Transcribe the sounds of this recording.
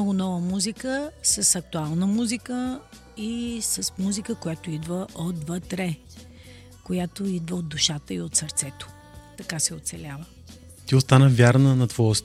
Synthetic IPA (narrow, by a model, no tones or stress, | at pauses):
nɔɡʊnɔvəmuzikəsəsɐk̚t̪ualˠnəmuzikə | isəsmuzikəkʊjat̪oid̪vəʔod̪vət̪ɾɛ | kojat̪oid̪vəod̪ːuʃat̪əiot̪səɾt̪sɛt̪o̥ | t̪ɐkasɛot̪sɛlʲavə | t̪iost̪anəvʲjaɾnənɐt̪vɔɛs